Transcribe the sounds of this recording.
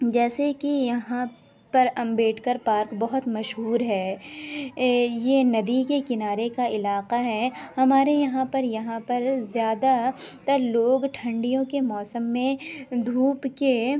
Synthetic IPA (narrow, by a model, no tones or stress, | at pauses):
d͡ʒɛːsekijɐɦã | pɐɾɐ̃mbeːʈʰkɐɾpaːɾkbɐɦʊt̪mɐʃɦuːɾɦɛː | jenɐd̪ikekɪnaːɾekaɪlaːqaɦɛːhɐmaːɾejɐɦãpɐɾjɐɦãpɐɾzjaːd̪at̪ɐɾloːɡʈʰɐ̃ɳɖijõkemɔːsəmːẽd̪ʱuːpke